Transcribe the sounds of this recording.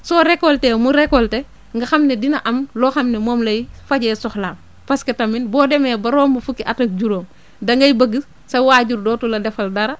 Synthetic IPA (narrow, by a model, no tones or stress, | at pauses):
sɔːɾɛkɔltemuɾɛkɔlte | ŋɡɐxɐmnedinɐʔɐmlɔːxɐmnemoːmlɐjfɐɟɛːsɔxlaːm | pɐskɐtɐminbɔːdɛmɛːbɐɾoːmbɐfukiʔɐtɐk̚ɟuɾoːm | dɐŋɡɐjbɐɡə | sɐwaːɟuɾdɔːtulɐdɛfɐldɐɾɐ